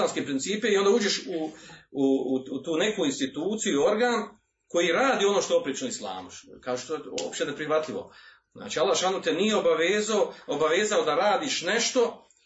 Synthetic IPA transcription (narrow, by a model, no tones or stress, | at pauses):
aːnskepɾint̪siːpeio̞nd̪auːd͡ʒeʃuuut̪uːne̞kuːinst̪it̪uːt̪sijuio̞ɾɡaːn | ko̞jiɾaːd̪iːo̞noʃt̪oopɾit͡ʃnoislˠa̰ːmuʃkaːʒiʃt̪ojeo̰pʃt̪enepɾixʋat̪ʎʲiʋo̞̰ | zna̰ːt͡ʃialːaʃanot̪enijeobaʋeːzaoobaʋeːzaod̪aɾaːd̪iːʃne̞ʃt̪o̞